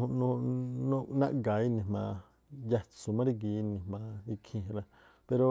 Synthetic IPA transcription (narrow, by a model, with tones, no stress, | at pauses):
ũ˧nũ˧nũ˦nã̰˦ʔɡa˨i˦nĩ˨mã˧ | ja˧t͡su˨mã˦ɾi˦˧ɡi˧˦˧nĩ˨mã˧i˧kʰĩ˧ɾa˧ | pe˧ɾo˧